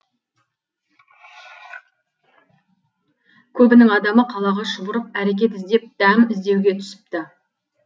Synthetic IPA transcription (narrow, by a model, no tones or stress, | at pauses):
kʲʰɵbɪnɪŋɑd̪ɑməqʰɑlˠɑʁɑʃʊbʊɾəp̚æɾek̬ʲe̞t̪ɪzd̪e̞p̚d̪̥æmɪzd̪e̞wɡʲe̞t̪ʰʏ̥sɪ̥p̚t̪ɪ